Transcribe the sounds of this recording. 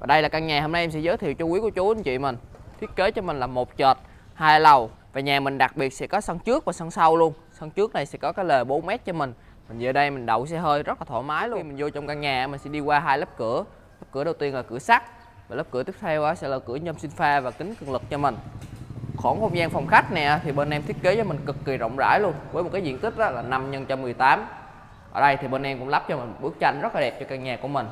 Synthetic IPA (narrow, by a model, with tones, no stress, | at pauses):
vaː˨˩ɗə˧jla˨˩ka˧ŋɲaː˨˩hoː˧mna˧jʔmsɛ̰˧˥zəː˨˦jt̪ʰḭ˨˧˨wt͡ɕɔ˧kwi˨˦ku˧˩ət͡ɕu˨˦ʔi˧˦nt͡ɕḭ˧˨mï˨˩ŋ̟t̪ʰi˦˥ət̚ke˨˦t͡ɕɔ˧mï˨˩ŋ̟laː˨˩mo˨˩t̚t͡ɕəː˨˩t̚ | haː˧jlə˨˩w | vaː˨˩ɲaː˨˩mï˨˩ŋ̟ɗa˨˩k̚ɓi˨˩ət̚sɛ̰˧˥kɔ˨˦sa˧ŋt͡ɕɨ˦˥ək̚vaː˨˩sa˧ŋsa˧wlu˧ən | sa˧ŋt͡ɕɨ˦˥ək̚na˨˩jsɛ̰˧˥kɔ˨˦kaː˨˦jlə˨˩ɓo˨˦nmɛ˦˥t̚t͡ɕɔ˧mï˨˩ŋ̟ | mi˨˩ŋzəː˨˩ɗə˧jmï˨˩ŋ̟ɗə̰˧˨wsɛ˧˥ɦəː˧jzə˦˥t̚laː˨˩t̪ʰːmaː˨˦jlu˧mï˨˩ŋ̟zo˧t͡ɕɔ˧wŋ͡mka˧ŋɲaː˨˩˧maː˨˩sɛ̰˧˥ɗi˧kwaː˧ɦaː˧jlə˦˥p̚kɨ˧˩˨ə | ləː˦˥p̚kɨ˧˩əɗə˨˩wt̪i˧ənlaː˨˩kɨ̰˧˩əsa˦˥k̚ | vaː˨˩ləː˦˥p̚ɨ˧˩ət̪i˦˥əp̚t̪ʰɛ˧wʔaː˨˦sɛ̰˧˥laː˨˩kɨ˧˩əɲə˧msi˧ŋ̟faː˧vaː˨˩kï˨˦ŋ̟kɨ˧˩əŋlɨ˨˩k̚t͡ɕɔ˧mï˨˩ŋ̟ | xo˧˩˦nxə˧wŋ͡mzaː˧nfɔ˨˩wŋ͡mxa˦˥k̚nɛ̰˨˩ʔa˨˦t̪ʰi˨˩ɓe˧nʔɛ˧mt̪ʰi˦˥ət̚ke˨˦zɔː˨˦mï˨˩ŋ̟kɨ˨˩kːi˨˩zə̰˧˨wŋ͡mza̰ː˧˩jlu˧ənvəː˨˦mo˨˩t̚kaː˨˦zḭ˧˥nki˦˥t̟̚ʔɔ˨˦laː˨˩na˧mɲə˧nt͡ɕa˧mːɨ˨˩əjt̪aː˨˦m | ʔəː˧˩ɗə˧jt̪ʰi˨˩ɓe˧nʔɛ˧mkʊ̰˧˥ŋ͡mla˦˥p̚t͡ɕɔ˧mï˨˩ŋ̟ɓɨ˦˥ək̚t͡ɕa˧jŋ̟zə˦˥t̚laː˨˩ɗɛ˨˩p̚t͡ɕɔ˧kaː˧ŋɲaː˨˩ku˧˩əmï˨˩ŋ̟